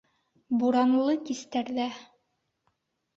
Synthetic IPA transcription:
buɾɑnlˠɤkist̪æɾðæ

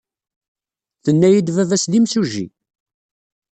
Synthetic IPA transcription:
θənːæjid̪vævæslimsuʒḭ

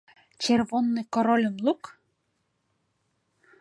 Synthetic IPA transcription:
t͡ɕerβonːekoɾolʲə̆mlˠuk

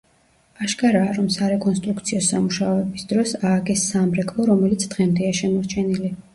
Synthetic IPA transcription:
aʃkʼaɾaːɾɔmsaɾɛkʼɔnst̪ʼɾukt̪sʰiɔsamuʃaɔɛbisd̪ɾɔsaːɡɛsːamɾɛkʰlˠɔɾɔmɛlit̪ʰd̪̥ʁɛmd̪ɛaʃɛmɔɾt͡ʃʰɛnili

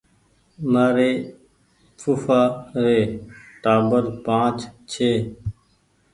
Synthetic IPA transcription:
maːɾeː | fʰuːfaːɾeːʈaːbəɾpãːt͡ʃt͡ʃʰeː

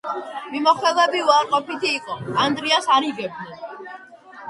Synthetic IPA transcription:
mimɔχwɛlˠɛbiuaɾqʼɔpit̪ʰiːqʼɔand̪ɾiasaɾiɡɛb̚nɛn

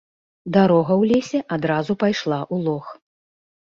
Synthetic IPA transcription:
d̪aɾɔɣɐwlʲesʲɛʔad̪ɾazupajʂlˠaʔulˠɔx

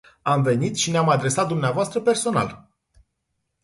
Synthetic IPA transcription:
amve̞nit̪ʃineamad̪ɾe̞sat̪̚d̪umneavoast̪ɾəpe̞rso̞na̰l

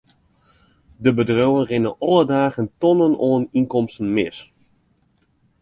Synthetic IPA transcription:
dəbədrowənrɪnəʔɔlˠədaːɣəntɔnənʔoəninkɔmstən̩mɪs

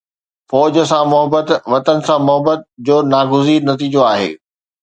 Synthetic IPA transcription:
fɔːd͡ʑəsãmʊɦəbət̪ʋɐt̪ənɪ̆sãmʊɦəbət̪̚d͡ʑoːnaːɡʊziːɾnɐt̪̬iːd͡ʑoaːɦḛː

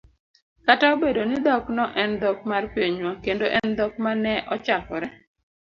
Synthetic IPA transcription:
kataobedonɪd̪ɔknɔʔɛnd̪ɔk̚marpeɲwakendoʔɛnd̪ɔk̚manɛʔɔt͡ʃakɔɾɛ

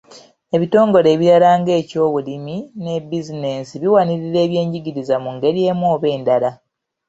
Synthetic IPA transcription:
e̞βito̞ːŋɡo̞ɾe̞ːβiɾalaːŋɡe̞ːco̞ːβulimine̞bizine̞siβiwaniɾiɾe̞ːβje̞ːɲɟiɟiɾizamuŋɡe̞ɾije̞ːmoːβe̞ːndala

